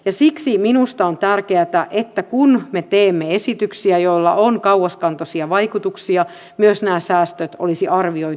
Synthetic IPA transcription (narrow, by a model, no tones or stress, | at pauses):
jɑsiksiminust̪ɑont̪ærkeæt̪æʔet̪ːækunmet̪eːmːeesit̪yksiæjolːɑ̰ʔoŋkɑuwɑskɑnt̪osiɑʋɑikut̪uksiɑ | myøsnæːsæːst̪øt̪o̰lisiʔɑrʋioi